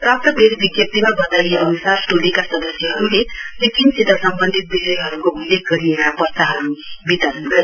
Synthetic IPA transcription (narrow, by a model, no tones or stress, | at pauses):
pɾap̚t̪ʌbʱeɾibiɡjʌp̚t̪imabʌt̪ajeʌnusaɾsʈolikasʌd̪ʌsjʌɦʌɾulelekinsid̪ʱːəsʌmbənd̪ʱit̪̚bisʌjɦʌɾukoulːeɡ̚ɡʌɾijʌɦãpʌsaɦʌɾubit̪ʌɾʌnɡʌɾi